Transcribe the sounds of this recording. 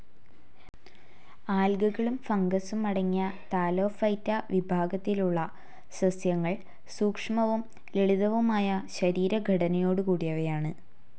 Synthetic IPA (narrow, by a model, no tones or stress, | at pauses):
aːlɡuɣɐɭumfɐŋɡɐsumɐɽɐŋːiːɐt̪aːlo̞ːfɐjtːɐʋibʱaːɡɐt̪ːiluɭːɐ | sɐsjɐŋːɐɭ | suːkʂɐmɐʋum | leɭuðɐʋumaːjɐɕɐɾiːɾɐɡʱɐɽɐnɐjo̞ːɽɨkuːɽijɐʋɐjaːɳɨ